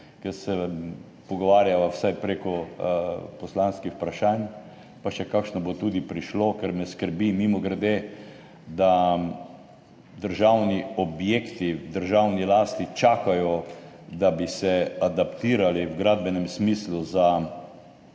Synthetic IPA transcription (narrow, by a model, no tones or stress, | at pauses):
kɛɾsɛ | pɔɡɔʋaːɾjaʋawsajpɾekɔ | pɔslanskixpɾaʃaːn | paʃɛkakʃnɔbot̪uːd̪ipɾiʃlokɛɾmɛskəɾbimimɔɡɾɛd̪e | d̪a | d̪əɾʒawniɔbjekt̪id̪əɾʒawnilaːst̪it͡ʃaːkajɔ | d̪abisɛad̪apt̪iːɾaliwɡɾaːd̪bɛnɛmsmisluza